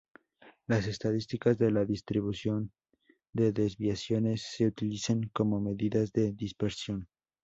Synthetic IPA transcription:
lase̞st̪aðist̪ikazðe̞laðist̪ɾiβ̞usjo̞n | d̪e̞ðe̞zβjasjo̞ne̞sːe̞ut̪ilisaŋko̞mo̞me̞ðiðazðe̞ðispeɾsjo̞n

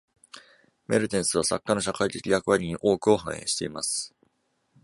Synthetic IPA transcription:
me̞ɾɯ̟t̪ẽ̞ɰ̃sɨβ̞asa̰kːano̞ɕ̬akait̪e̞kʲijakɯ̟βaɾʲiɲ̟iʔo̞ːkɯ̟o̞hã̰ɰ̃ẽ̞̰ɕi̥t̪e̞imasɨ̥

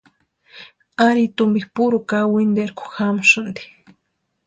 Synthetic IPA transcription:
aɾit̪umbihpuɾukawind̪eɾkʊ̥xamʊʃʊnd̪i̥

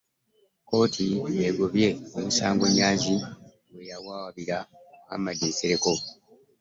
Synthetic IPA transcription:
ko̞ːtʰijeɡoβje̞emisaːŋɡo̞ɲːaːɲzi | wwejawaːwaβiɾaa̰madiːseɾe̞ko̞

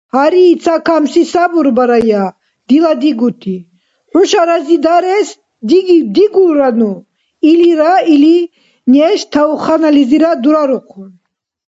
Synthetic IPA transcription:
haɾiːt͡sʰakʰamsisabuɾbaɾaja | d̪̥ilad̪iɡut̪ʰi | ħuʃaɾazid̪aɾɛs | d̪iɡid̪iɡuɾanu | iliɾaili | nɛʃt̪ʰauχanaliziɾad̪uɾaɾuqʰun

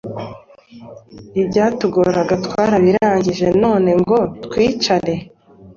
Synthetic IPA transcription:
ibɟaːtuɡoɾaɡatkwaːɾaβiɾaːɲɟiʒe̞no̞ːne̞ŋɡo̞twiːt͡ʃaɾe̞

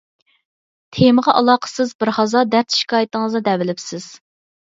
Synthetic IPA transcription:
t̪ʰeməʁɑʔɑlˠɑːqʰə̥sɨzbɪɾχɑzɑd̪æɾt̪ʰi̥ʃkʲʰɑːjit̪əŋəzɨd̪ɛvɪlɪpsɪz̥

